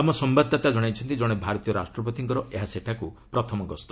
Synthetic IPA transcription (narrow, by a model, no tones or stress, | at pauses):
amɔsɔmbad̪ːat̪ad͡ʒɔɽ̃ajt͡ʃʰɔnt̪id͡ʒɔɽ̃ebʱaɾɔt̪ijɔɾasʈɾɔpɔt̪iŋkɔɾɔʔeɦaseʈʰakupɾɔt̪ʰɔmɔɡɔst̪ɔ